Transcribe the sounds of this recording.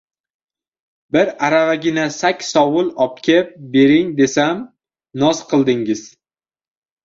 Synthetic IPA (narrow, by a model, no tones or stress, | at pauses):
bɪɾaɾavaɡʲɪnasakʲsɒwʊlˠɒp̚kʲʰep̚be̞ɾɪŋd̪e̞sam | nɒzqʰɨlˠd̪ɪŋɪz̥